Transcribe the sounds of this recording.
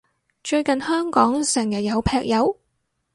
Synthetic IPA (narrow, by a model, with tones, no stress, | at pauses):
t͡ʃɵ˧ɥkɐ˨nhœː˥ŋkɔː˨˥ŋsɪ˨˩ŋjɐ˨t̚jɐ˨˧wpʰɛː˧k̚jɐ˨˧w